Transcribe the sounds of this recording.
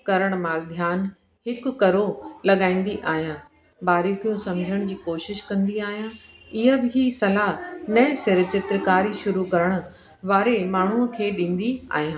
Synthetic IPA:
kɐɾəɽ̃maːld̪ʱjaːn | hɪkʊkɐɾolɐɠaːĩːn̆d̪iʔaːɦijãː | baːɾikijũsɐmd͡ʑʱəɽ̃d͡ʑiːkoːʃɪʃkɐ̃nd̪iaːɦijãː | ɪɦəbɪɦisɐlaɦnɐ̃sɪɾɪt͡ɕɪt̪ɾəkaːɾiʃʊɾukɐɾəɽ̃ʊ̆ | ʋaːɾemaːɳ̤uəkʰeːɗĩːn̆d̪ia̰ːɦijãː

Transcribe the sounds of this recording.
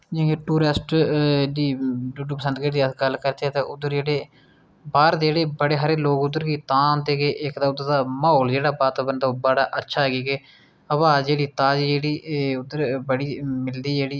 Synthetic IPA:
d͡ʒĩːɡeʈuːɾɪsʈdiːɖuɖuːpəsə̃nd̪ɡeːʈd̪iːəɡəlkəɾt̪eɛːt̪eːʔʊd̪əɾd͡ʒeːɽeː | baːɾd̪d͡ʒeːɽeːbəɽeːɦaɾeːloːkʊd̪əɾɡiːt̪ãːnt̪eːɡeːʔɪkd̪aːʊd̪əɾd̪aːmaːoːld͡ʒeːɽaːbaːt̪aːbənd̪aːbəɽaːʔətːʃʰaːɡiːɡeː | əbaːd͡ʒeːɽiːt̪ãːd͡ʒiːd͡ʒeːɽiːʊd̪ːəɾbəɽiːmɪld̪iːd͡ʒeːɽiː

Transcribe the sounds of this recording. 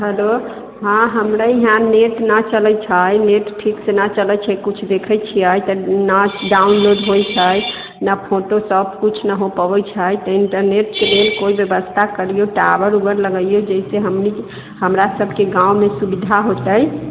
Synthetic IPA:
ɦəlo | ɦãɦəmɾaiɦãneʈnət͡ʃələt͡ʃʰəjneʈʈʰiksenat͡ʃələt͡ʃʰəjkut͡ʃʰd̪ekʰət͡ʃʰiajt̪ənaɖaunloɖɦojt͡ʃʰəj | napʰoʈosəbkut͡ʃʰnəɦopəbət͡ʃʰəjt̪ɔiɳʈəɾneʈkelelkoibjəbəst̪ʰakəɾijoʈabəɾubəɾləɡəijod͡ʒəiseɦəmni | ɦəmɾasəbʱkeɡãumesubid̪ʱaɦot̪əj

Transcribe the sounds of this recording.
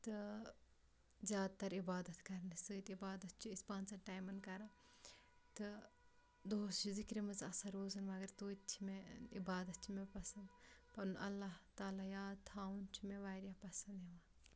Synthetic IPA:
t̪ɨ | zʲjaːd̪̚t̪ɐɾibaːd̪ɐt̪kɐɾnɨsɨːt̪ibaːd̪ɐt̪̚t͡ʃʰiispãːnt͡sɐʈaːjmɐnkɐɾɐ | t̪ɨ | d̪oːst͡ʃʰizikɾimɐzɐsɐɾoːzɐnʋɐɡɐɾt̪oːt̪̚t͡ʃʰimeibaːd̪ɐt̪̚t͡ʃʰimepɐsɐnd̪pɐnʔɐ̰lːaɦt̪aːlaːjaːd̪̚t̪ʰaːunt͡ʃʰimẽʋaːɾjaːpɐsɐnd̪ɦiʋa

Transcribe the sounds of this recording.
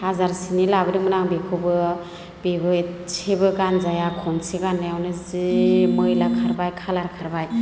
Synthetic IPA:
hazaɾsinilabɯdɯmɯnaŋbekʰubɯ | b̥ebɯsʰebɯɡanzajakʰɔnsʰeɡanːajawnɯzimɯjlakʰaɾbajkʰalaɾkʰaɾbaj

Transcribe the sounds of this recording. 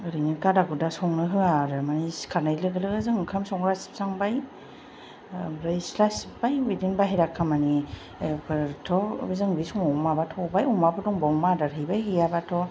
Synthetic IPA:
ɯɾɯnikadaɡudasɔŋnɯɦɯaɾɯmaniskʰaɾnajlɯɡɯlɯɡɯzɯŋkʰamsɔŋɾasi̥p̚saŋbaj | bɾajslasipbajwidinbaɦiɾakʰːamani | kɯtʰɔbzɯŋbisɔŋumabatʰɔbajumapɯdɔŋbɔŋmadaɾɦɯjbajhɯjabatʰɔ

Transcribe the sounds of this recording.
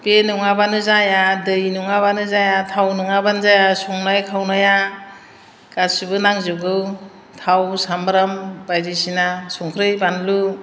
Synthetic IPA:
penuŋabanɯzajadɯjnuŋaβanɯzajatʰawnɯŋabanzajasuŋnajkʰawnaja | kasibɯnaŋzɯɡɯw | tʰawsambɾambajzisinasuŋkʰɾɯjbanlu

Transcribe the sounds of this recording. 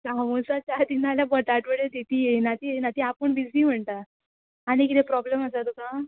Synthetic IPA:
samosat͡ɕad̪inaljabəʈ̪aʈʋəɽet̪it̪ijenat̪iːjenat̪iapəɳbid͡zniːm̤əɳt̪aː | ɽ̃ikit̪ʰepɾɔbleməsat̪ukã

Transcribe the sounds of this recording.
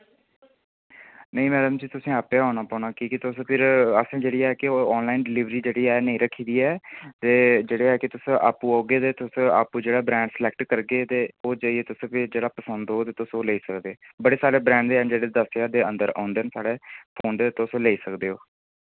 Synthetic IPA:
nəĩːmɛːɖəmd͡ʒiːt̪ʊsĩːaːpeːɦaːnaːpaːnaːkiːkɪt̪ʊspʰɪɾəsẽːd͡ʒeːɽiːɛːkɪoːɔːnlaːinɖɪliːʋɾiːd͡ʒeːɽiːɛːnəĩːɾəkʰːiːd̪iːɛːt̪eːd͡ʒeːɽeːɛːkɪt̪ʊsʔaːpũːoːɡeːd̪eːt̪ʊsa̰ːpuːd͡ʒeːɽaːbɾɛ̃ːɳɖslɛːk̚ʈkəɾɡeːt̪eːoːd͡ʒaːiɛːt̪ʊspʰɪd͡ʒeːɽaːpəsənd̪oːt̪eːt̪ʊsoːleiːsəkd̪eːbəɽeːsaːɾeːbɾɛ̃ːɳɖd̪eːnd͡ʒeːɽeːd̪əsjaːd̪eːə̰̃nd̪əɾã̰ːnd̪ensaːɽeːpʰoːnd̪eːt̪ʊsleːiːsəkd̪eːɦoː

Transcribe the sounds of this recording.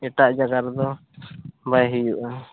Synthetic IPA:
ɛʈaʔd͡ʒaɡaɾd̪ɔ | bajɦijuʔa

